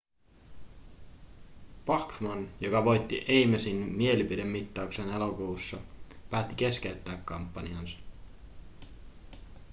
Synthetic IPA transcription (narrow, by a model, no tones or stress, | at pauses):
pɑkmonjo̞kɑʋo̞jt̪ːiʔe̞jmæsinmie̞lipide̞mːit̪ːɑukse̞ne̞lo̞kuːsːɑpæːt̪ːike̞skeyt̪ːæːkːɑmpːɑniɑnsɑ̥